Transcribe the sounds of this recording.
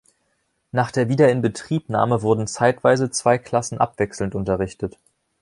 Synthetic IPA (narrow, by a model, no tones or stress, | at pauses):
naːχd̥eːɐviːdɐɪnbətʁ̥iːpna̰ːməvʊɐdn̩t͡saɪtv̥aɪzət͡sv̥aɪkʰl̥asn̩ʔa̰pv̥ɛksl̩ntʊntɐʁ̞ɪçtət